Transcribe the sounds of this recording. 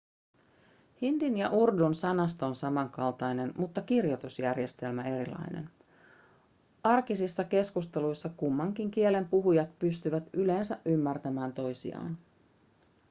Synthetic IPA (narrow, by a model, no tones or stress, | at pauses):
hindinjɑʔurdunsɑnɑst̪ɑonsɑmɑŋkɑlt̪ɑjne̞nmut̪ːɑkirjo̞t̪usjærje̞st̪e̞lmæe̞ɾilɑ̰jne̞̰n | ɑrkisisːɑke̞skust̪e̞lujsːɑkumːɑŋkiŋk̟ie̞le̞mpuɦujɑt̪pyst̪yʋæt̪yle̞ːnsæʔʔymːært̪æmæːnt̪o̞jsḭɑ̰ːn